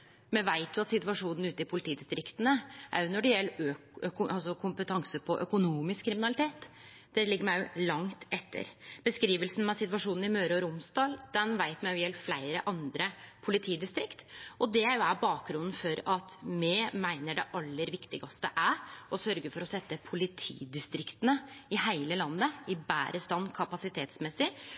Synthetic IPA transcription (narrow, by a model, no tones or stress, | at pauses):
mɛʋæɪt̪ʊɑt̪sɪt̪ʋɑʂuːnn̩ʉːt̪əɪpʰʊlɪt̪ʰiːd̪ɪst̪ɾɪkt̪ənəʔæ̰ɾjʊnɔɖɛjɛlːəøkɑlsɔkʰʊmpət̪ʰɑŋsəpʰɔʔœkʊnuːmɪskʰːɾɪmɪnɑlɪt̪ʰeːt̪ | d̪̥ɛlɪɡəɾmæɪjʊlɑŋt̪ɛt̪ʰːə̰ɾb̥əskɾiːʋəlsn̩mɑsɪt̪ʋɑʂuːnn̩ɪmøːɾɔɾʊmsd̪ɑːld̪̥ɛnʋæɪt̪mæɪjʊjɛlːəflæɪɾəʔɑnd̪ɾəpʰʊlɪt̪ʰiːd̪ɪst̪ɾɪkt̪ʔɔd̪ɛæɾjʊæbɑːk̚ɡɾʉnːn̩fɔɾɑt̪mɛmæɪnəɖɛʔɑlːəɾʋɪkt̪ɪɡɑst̪ə̰ʔæɾɔsœɾɡəɾfɔɾɔsɛt̪ːəpʰʊlɪt̪ʰḭːd̪ɪst̪ɾɪkt̪ənəɪhæɪləlɑnːəɪbæ̰ːɾəst̪ɑnkʰɑpɑsɪt̪ʰeːt̪smɛsɪ